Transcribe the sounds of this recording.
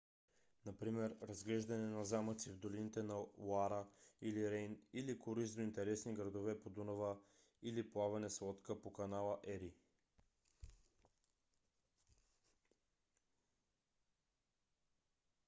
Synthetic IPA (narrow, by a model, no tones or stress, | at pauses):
napɾimɛɾɾɐzɡlɛʒd̪ɐnɛnazamət̪sivd̪olinit̪ɛnawaɾəiliɾɛjnilikoɾisd̪oint̪ɛɾɛsniɡɾɐd̪ovɛpod̪unovə | iliplˠavɛnɛslˠɔt̪kəpokɐnalˠəʔɛɾi